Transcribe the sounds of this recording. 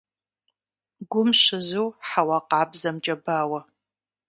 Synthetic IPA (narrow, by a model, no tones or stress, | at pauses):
ɡʷʊmʃɪzɨwħawɑqɑːbzɐmt͡ʃʼɐbaːwɐ